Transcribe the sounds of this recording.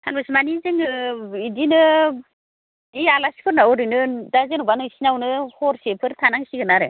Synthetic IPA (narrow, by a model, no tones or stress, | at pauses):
tʰanbasimanizɯŋɯidinɯ | dialasi̥kʰɯɾnaɔɾinɯdazenɔbanɯsinawnɯhɔɾsepʰɯɾtʰanaŋsiɡɯnaɾɯ